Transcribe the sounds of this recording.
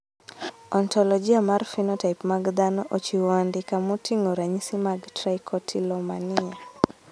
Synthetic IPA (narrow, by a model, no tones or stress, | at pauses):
ɔntɔlɔd͡ʒiamaɾfinɔtajpmaɡd̪anɔʔɔt͡ʃiwandikamutiŋɔɾaɲisimaɡtɾajkʰɔtʰilɔmania